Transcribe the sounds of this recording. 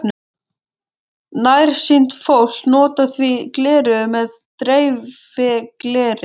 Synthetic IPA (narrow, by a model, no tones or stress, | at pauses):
n | najɾ̥sint̪fowl̥t̪nɔːt̪aθviklɛːɾʏmɛðt̪ɾejvɪklɛːɾɪ